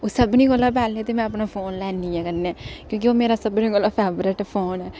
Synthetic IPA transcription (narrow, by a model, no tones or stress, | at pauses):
oːsəbniːɡolːaːpɛːlneːt̪eːmɛ̃ːəpnaːpʰoːnlɛːniːɛ̃ːkəɾneɛːkjõːk̬ioːmeːɾaːsəbniːɡolːaːpʰɛːbɾɪʈpʰoːnɛː